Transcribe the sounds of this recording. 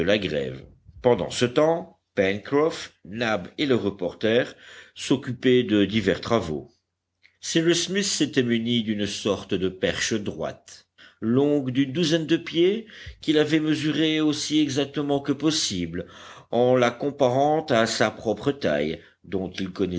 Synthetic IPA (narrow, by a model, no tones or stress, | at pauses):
əlaɡʁɛ̰v | pɑ̃d̪ɑ̰̃sət̪ɑ̃ | pɛnkχɔfnabeləʁəpɔʁt̪ɛʁsɔkʲyped̪əd̪ivɛʁt̪χavo̰ | siʁismisːet̪ɛmynid̪ynsɔʁt̪d̪əpɛʁʃəd̪ʁwa̰t̪ | lɔ̃ɡd̪ynd̪uzɛnd̪əpjekʲilavɛməzyʁeosiɛɡzak̚t̪əmɑ̃kəpɔsiblɑ̃lakɔ̃paʁɑ̃t̪asapχɔpχət̪a̰j | d̪ɔ̃t̪ilkɔnɛ